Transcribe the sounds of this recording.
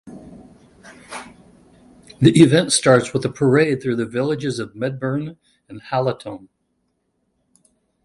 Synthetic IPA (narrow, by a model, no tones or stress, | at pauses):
ðiʔɨvɛ̃ntstɑɹtswəðəpʰə˞eɪd̪̚θɹʉðɨvɪlˠɨd͡ʒɨzʌvmɛd̚bə˞n | ɨ̃nhælˠətʰõʊ̃n